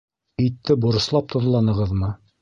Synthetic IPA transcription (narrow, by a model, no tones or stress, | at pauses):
ɘ̆jt̪ːɘbŏɾɤ̆slˠɑp̚t̪ʰŏðlˠɑnɤ̆ʁɤðmɤ